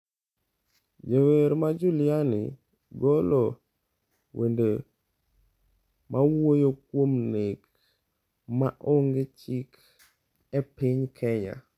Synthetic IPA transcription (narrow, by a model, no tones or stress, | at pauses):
d͡ʒeweɾmad͡ʒulɪanḭ | ɡolo | wʔende | mʔawojokwomnɪk | maʔoŋɡet͡ʃik | ɛpɪɲkʰɛɲa̰